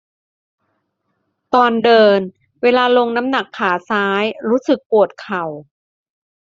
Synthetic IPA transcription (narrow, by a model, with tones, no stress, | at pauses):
t̪ɔː˧ndɤː˧n | weː˧laː˧lo˧ŋna˦˥mna˨˩kʰːaː˩˦saː˦˥jɾuː˦˥sɯ˨˩k̚pu˨˩ət̪̚kʰa˨˩w